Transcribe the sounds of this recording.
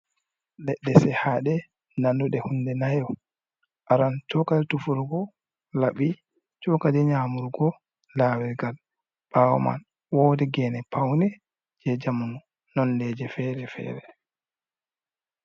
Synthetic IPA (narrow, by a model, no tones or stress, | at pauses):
lɛɗːɛsɛhaɗɛ | nanduɗɛhundɛnajɔ | ʔaɾantɔkad͡ʒtufuɾɡɔ | laɓi | t͡ʃɔkadɛɲaːmuɾɡɔ | laːwɛɡal | ɓ̥awɔ̰ma̰n | wɔːdɛɡɛːnɛpawnɛ | d͡ʒɛd͡ʒamunu | nɔnlɛd͡ʒɛfɛɾɛfɛ̰ːɾɛ